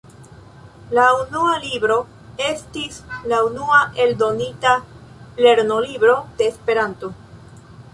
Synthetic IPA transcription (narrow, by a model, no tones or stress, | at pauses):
launualibɾo̞ | e̞stislaunuaʔe̞ldo̞nitale̞ɾno̞libɾo̞d̥e̞ːspe̞ɾanto̞